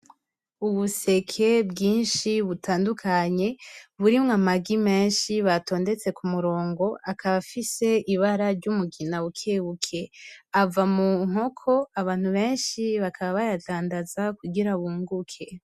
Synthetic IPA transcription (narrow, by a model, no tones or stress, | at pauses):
uβuse̞kʰe̞bɡiːnʃiβutʰaːndukʰaɲe̞βuɾimŋamaɡime̞ːnʃiβato̞ːnde̞t͡se̞kumuɾo̞ːŋɡo̞akʰaβafise̞iβaɾaɾɟumuɡinawukʰeːβukʰe̞avamuŋ̥ho̞kʰo̞aβaːn̥huβe̞ːnʃiβakʰaβaβajadaːndazakuɡiɾaβuːŋɡukʰe̞